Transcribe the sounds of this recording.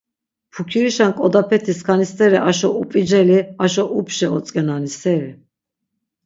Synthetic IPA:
pʰukʰiɾiʃankʼɔd̪apʰɛt̪ʰiskʰanist̪ʼɛɾiʔaʃɔupʼid͡ʒɛliaʃɔʔupʰʃɛɔt͡sʼkʼɛnanisɛɾi

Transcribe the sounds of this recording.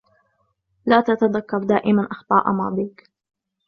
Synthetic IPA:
laːt̪at̪aðakːɑɾˤd̪aːʔɪmanʔɑxt̪ˤɑ̰ːʔɑ̰mɑ̰ːd̪ˤiːk

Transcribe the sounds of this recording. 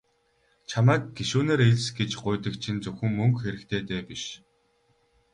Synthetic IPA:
t͡ɕʰamæːk̚ɡ̥eʃuːneːɾeɮʲsɡet͡ɕɢʊjt̪ə̆kt͡ɕʰint͡sɵxɘ̆ŋmɵŋkxeɾɘ̆kt̪ʰeːt̪eːpiʃ

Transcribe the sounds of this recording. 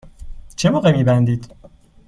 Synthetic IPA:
t͡ʃʰemɔːʁemiːbænd̪iːd̪̥

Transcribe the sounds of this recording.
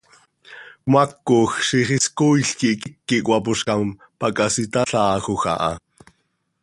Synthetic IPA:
kmɑkːoxʃiχiskujɬkikikːiʔkʷʼwɑpuʃkɑm | pɑkʼɑsit̪ɑɬɑːxoxɑ̰ʔɑ̰

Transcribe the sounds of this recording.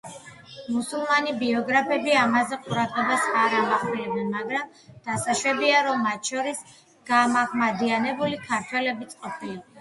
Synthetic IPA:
musulˠmanibiɔɡɾapʰɛbiamazɛqʼuɾad̪ʁɛbasaɾamaχʼilɛbɛnmaɡɾam | d̪̥asaʃwɛbiaɾɔmːat̪ʃɔɾis | ɡ̥amaʁmad̪ianɛbulikʰaɾt̪ʰwɛlɛbit̪sʼqʼɔpʰili

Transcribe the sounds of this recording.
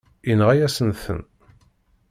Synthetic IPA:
inʁæjæsənθə̰n

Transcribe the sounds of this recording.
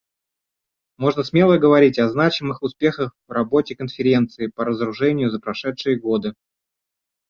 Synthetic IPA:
mo̞ʐnəsmʲe̞lˠəjəɡəvɐɾʲitʲɐznat͡ɕɪmɨxʊspʲe̞xəxvrɐbo̞tʲɪkənfʲɪɾʲe̞nt̪sɨɪpəɾəzəɾʊʐɛnʲɪjʊzəpɾɐʂɛt̪ʂɨjəɡo̞d̪ɨ

